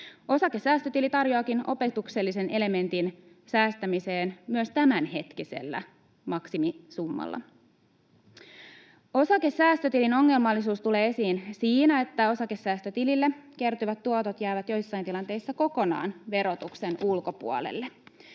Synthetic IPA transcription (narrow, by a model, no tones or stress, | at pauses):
o̞sɑkesæːst̪øt̪ilit̪ɑrjoɑkino̞̰pe̞t̪ukse̞lːise̞nʔe̞le̞me̞nt̪in | sæːst̪æmise̞ːnmyøst̪æmænɦe̞t̪kise̞̰lːæ̰ | mɑksimisumːɑ̰lːɑ̰ | o̞sɑkesæːst̪øt̪ilino̞ŋːe̞lmɑlːis̬uːst̪ule̞ːe̞siːnsiːnæe̞t̪ːæo̞sɑke̞sːæːst̪øt̪ililːeke̞rt̪yʋæt̪ːuot̪ot̪jæːʋæt̪jo̞jsːɑjnt̪ilɑnt̪e̞jsːɑko̞ko̞nɑ̰ːnʋe̞ɾot̪ukse̞nulko̞pṵɑ̰lḛlːe